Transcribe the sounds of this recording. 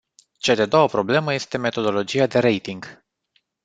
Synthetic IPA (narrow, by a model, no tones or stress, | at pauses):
t͡ʃad̪ed̪o̞wəpɾo̞ble̞məje̞st̪e̞me̞t̪o̞d̪o̞lo̞d͡ʒijad̪e̞ɾe̞jt̪iŋɡ